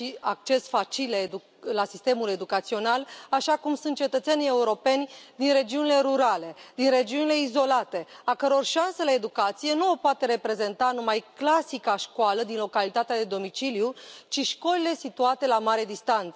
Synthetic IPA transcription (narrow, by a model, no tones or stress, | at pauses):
ʃiak̚t͡ʃe̞sfat͡ʃiled̪u | lasist̪e̞mule̞d̪ukat̪sio̞nalaʃakumsunt̪̚t͡ʃe̞t̪ət̪senʲe̞uɾo̞pe̞nʲd̪inre̞d͡ʒiunile̞ɾuɾale̞d̪inre̞d͡ʒiunile̞izo̞lat̪e̞akəɾo̞rʃanselae̞d̪ukat̪sije̞nuopoat̪e̞ɾe̞pɾe̞ze̞nt̪anumajklasikaʃkwaləd̪inlo̞kalit̪at̪ead̪e̞d̪o̞mit͡ʃilijut͡ʃiʃko̞lile̞sit̪uat̪e̞lamaɾed̪ist̪ant̪sə